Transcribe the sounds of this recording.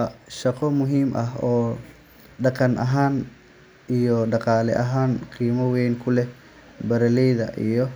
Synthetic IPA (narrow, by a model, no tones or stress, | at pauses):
ʃɐqɔmʊɦiːmʔɐɦɔː | ɖɑqɐnʔɐɦaːn | ijɔɖɑqɑːlɛ̰ʔɐɦaːnqiːmɐwɛjnkʰʊlɛ | bɐɾɐlɛjðɐ̰ʔḭjɔ